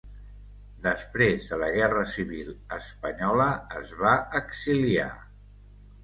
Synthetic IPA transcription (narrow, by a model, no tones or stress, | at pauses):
d̪əspɾezðələɣ̞ɛrəsiβilˠəspəɲɔləːzβaəksilia̰